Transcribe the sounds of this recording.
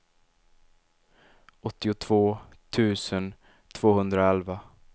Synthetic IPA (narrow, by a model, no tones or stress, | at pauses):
ɔt̪ːɪʊt̪ʰv̥oː | t̪ʰʉ̟ːsən | t̪ʰv̥oːhɵnd̪ɾaɛlva